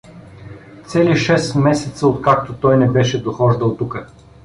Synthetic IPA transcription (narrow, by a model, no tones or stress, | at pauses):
t̪sɛliʃɛsmɛsɛt̪səot̪kak̚t̪ot̪ɔjnɛbɛʃɛd̪oxɔʒd̪ɐlˠt̪ukə